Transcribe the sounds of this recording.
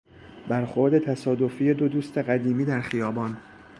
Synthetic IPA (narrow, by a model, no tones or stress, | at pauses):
bæɾxo̞ɾd̪e̞t̪ʰæsɒːd̪o̞fiːjed̪od̪uːst̪ʰe̞ɣæd̪iːmiːd̪æɾxijɒːbɒːn